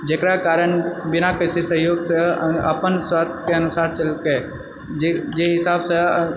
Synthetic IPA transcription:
d͡ʒeːkɾakaːɾəɳbɪnakəsesəɦjoːɡsə̃ə̰pənswaːt̪ʰkeənʊsaːɾt͡ʃəlke | d͡ʒd͡ʒeɦɪsaːbsə̃

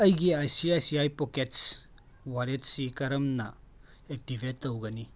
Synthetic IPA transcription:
ɐjɡiajsiajsiajpokets | waɾet̚sikɐɾɐmnɐ | ek̚tibʱetːɐwɡɐni

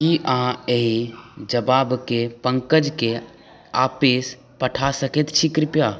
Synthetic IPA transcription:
kiʔãeɦid͡ʒəbabkepəŋkəd͡ʒke | apes | pəʈʰasəkɛt̪t͡ʃʰikɾɪpja

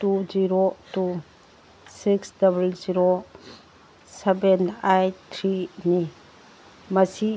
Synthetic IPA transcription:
tud͡ʒiɾotu | siksdabalziɾo | sebenajtʰɾini | mɐsi

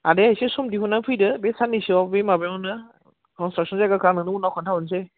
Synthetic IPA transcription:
adeajsesɔmdiɦunaŋpʰɯjdɯbesanːisiabemabemɔnɯ | kʰɔnstɾaksʰɔnzaɡakʰanɯnɯunawkʰantʰawɔns̬e

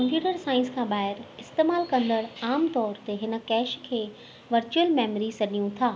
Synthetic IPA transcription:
kɐ̃mpjuːʈəɾsaːɪ̃nskʰãːɓaːɦɪɾɪst̪eːmaːlkɐ̃nd̪əɽaːmt̪ɔːɾt̪eɦɪnə̆kɛːʃkʰeː | ʋɐɾt͡ɕuəlmɛːmɾisɐɗijũt̪ʰaː

